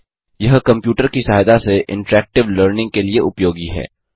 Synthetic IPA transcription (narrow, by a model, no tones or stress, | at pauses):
jɐɦkɐ̃mpjuːʈəɾkisaːjd̪aseʔɪ̰̃ɳʈɾɛːk̚ʈɪʋləɾnɪ̃ŋɡ̚kelieʊpjoːɡiɦɛ̰ː